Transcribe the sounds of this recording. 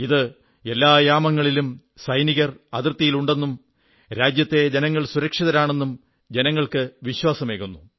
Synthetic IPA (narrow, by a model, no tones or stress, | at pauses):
iðɨ | e̞lːaːjaːmɐŋːɐɭilum | sɐjniɣɐrɐðirt̪ːijiluɳɖe̞nːum | ɾaːd͡ʑjɐt̪ːe̞d͡ʑenɐŋːɐɭsuɾɐkʂiðɐɾaːɳe̞nːum | d͡ʑe̞nɐŋːɐɭkɨʋiɕwaːsɐme̞ːkunːu